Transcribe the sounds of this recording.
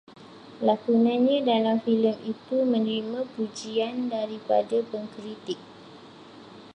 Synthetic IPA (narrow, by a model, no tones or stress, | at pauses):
lakunãnɲãdalamfiləmit̪umə̃nəɾimãpud͡ʒiandaɾipa̰dapəŋkɾit̪ɪk̚